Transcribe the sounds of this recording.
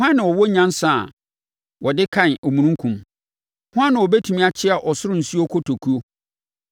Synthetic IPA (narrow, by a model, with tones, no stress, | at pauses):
hã˦nːɪ̃˨wɔ˨wɔ˦ɲã˦n˦sa˨ | wɔ˨dɪ˦kʰã˦˨nɔ˨mũ˨nũ˦ŋkʰũ˨m | hʊ˦ã˦nːɪ̃˨ɔ˨bɛ˦tʰũ˨mĩ˦a˦t͡ɕʰɪ˦a˨ʔɔ˨sʊ˦ɾʊ̃˨n̩˨su˦o˦kʰɔ˦tʰo˨kʰu˦o˦